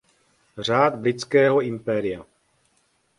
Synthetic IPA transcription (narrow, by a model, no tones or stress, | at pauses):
r̝aːd̪blɪt͡skɛːɦɔimpɛːɾɪja